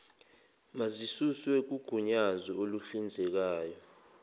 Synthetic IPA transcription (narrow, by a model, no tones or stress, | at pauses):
mazisuswek̬uɡ̥ʱuɲazɔolufind͡zʱɛk̬aːjɔ